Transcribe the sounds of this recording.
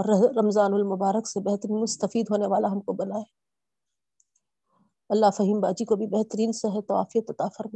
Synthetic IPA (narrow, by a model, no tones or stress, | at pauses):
ɔɾɾɐmzaːnʊlmʊbaːɾəksebɛɦt̪əɾiːnmʊst̪əfiːd̪ɦoːneʋaːlaɦɐmkobɐnaːɛ | ɐlːaɦfɐɦiːmbaːd͡ʒikobʱibɛɦt̪əɾiːnseɦɛt̪ɐʋa̰ːfijət̪ɐt̪afɐɾmaː